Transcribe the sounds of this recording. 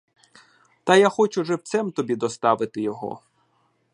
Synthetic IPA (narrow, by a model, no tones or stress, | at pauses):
t̪ɐjaxɔt͡ʃʊʒɛwt̪sɛmt̪ɔbʲid̪ɔst̪ɑʋɪt̪ɪjɔɦɔ̰